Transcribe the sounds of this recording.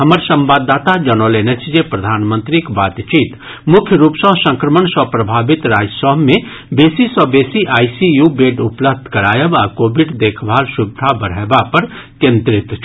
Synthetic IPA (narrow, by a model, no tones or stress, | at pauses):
ɦɐməɾsɐ̃mbaːd̪ːaːt̪ad͡ʒɐnoːleːnet͡ʃd͡ʒepɾɐd̪ʱaːnmə̃nt̪ɾikbaːt̪t͡ʃiːt̪ | mʊkʰjəɾuːpsɔɦsə̃ŋkɾəməɳsɔpɾɐbʱaːbɪt̪ɾaːd͡ʒsɔːmẽ | beːsisɔbeːsiʔaːisijubeːʈʊpləb̚d̪ʱkɐɾaːjəbaːkoːbɪɖd̪eːkʰbʱaːlʃʊbd̪ʱabəɾɛːbapɐɾ | kẽnt̪ɾɪt̪